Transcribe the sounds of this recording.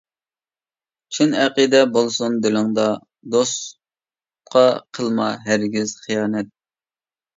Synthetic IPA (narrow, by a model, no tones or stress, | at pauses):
t͡ʃʰinæqid̪ɛbolˠsund̪ɪlɪŋd̪ɑ | d̪os | qʰɑqʰəlˠmɑɦæɾɡʲiz̥χijɑːnɛt̪̚